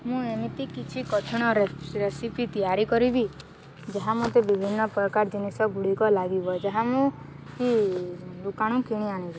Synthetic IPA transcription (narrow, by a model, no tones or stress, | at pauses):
mũemit̪ikit͡ʃʰikɔtʰiɽ̃ɔɾeɾesipit̪ijaɾikɔɾibi | d͡ʒaɦamot̪ebibʱinːɔpɾɔkaɾd͡ʒinisɔɡuɽikɔlaɡibɔd͡ʒaɦamũ | kilukaɽ̃ũkiɽ̃iaɽ̃ibi